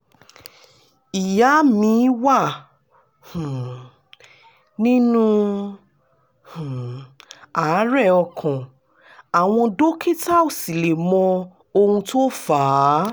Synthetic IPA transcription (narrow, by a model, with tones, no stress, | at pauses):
i˨ja˨˦mĩ˧˦wa˦˨ | hũ˨ | nĩ˦nũ˦ | hũ˨ | a˨˦ɾɛ˦˨ɔ˧kʰɔ̃˨ | a˨w̃ɔ̃˧do˦kʰe˦ta˦o˦˨si˨le˨mɔ̃˧ | o˧hũ˧to˦faː˨˦